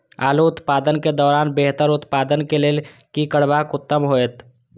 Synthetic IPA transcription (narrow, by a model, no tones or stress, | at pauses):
a̰ːluʊt̪paːd̪ənked̪ɔːɾaːnbeɦt̪əɾʊt̪paːd̪ənkeleːlkikəɽbaːkʊt̪ːəmɦoet̪